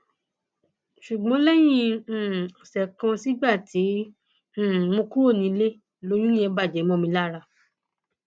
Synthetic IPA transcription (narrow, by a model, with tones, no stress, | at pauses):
ʃu˨ɡ͡bɔ̃˨˦lɛ˦j̃ĩ˧˦˨ɔ˨sɛ˨kã˧si˦ɡ͡ba˦˨tĩ˨˦˨ | mõ˧ku˦o˦˨nĩ˧˦le˦ | lo˨˦j̃ũ˦ɛ̃˧ba˦˨d͡ʒɛ˨˦mɔ̃˦mĩ˧la˦ɾa˧˨